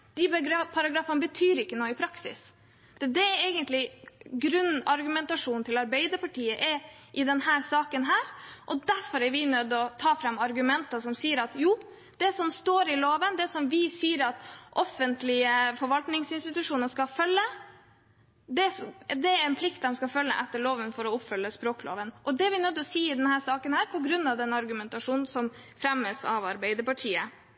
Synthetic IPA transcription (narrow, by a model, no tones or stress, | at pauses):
d̪̥ɪbpʰɑɾɑɡɾɑːfənəbət̪ʰyːɾɪkːənoːɪpʰɾɑksɪ̰s | d̪̥ɛd̪ɛɾɛɪɡənt̪lɪɡɾʉnːɑɾɡʉmɛnt̪ɑʂuːnt̪ʰɪlɑɾbæɪd̪əɾpʰɑʈʰiːəʔɛʔɪd̪ɛnhæːɾsɑːkənɦæːɾʔɔd̪æɾfɔɾɛɾʋɪnød̪ːɔt̪ʰɑːfɾɑmːɑɾɡʉmɛnt̪əsɔmsiːəɾɑt̪juː | d̪ɛsɔmst̪oːɾɪloːʋənd̪ɛsɔmʋɪsiːəɾɑt̪ʔɔfənt̪lɪəfɔɾʋɑlt̪nɪŋsɪnst̪ɪt̪ʉʂuːnəʂkɑfœlːə | d̪ɛsd̪ɛɾɛnpʰlɪkt̪d̪ɛmskɑfœlːə̰ʔɛt̪ːəɭoːʋənfɔɾɔʊpfʏlːəspɾoːklo̰ːʋənʔɔd̪ɛæɾʋɪnœd̪ːɔsiːɪd̪ɛnhæːʂɑːkənhæːɾpʰɔɡɾʉnːɑʋd̪ɛnɑɾɡʉmɛnt̪ɑʂuːnn̩sɔm | fɾɛməsɑ̰ʋɑɾbɛɪd̪əɾpɑʈʰiːə